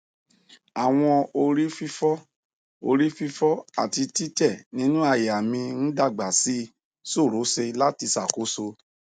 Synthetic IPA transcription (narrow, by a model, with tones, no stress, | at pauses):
a˨w̃ɔ̃˧o˧ɾi˦fi˦fɔ˦ | o̰˧ɾi˦fi˦fɔ˦a̰˦˨ti˧ti˦tɛ˦˨nĩ˦nũ˦a˦˨ja˨mĩ˧n̩˦da˦˨ɡ͡ba˨si˦ | so˦˨ɾo˨˦se˧la˦ti˧sa˨ko˦so˧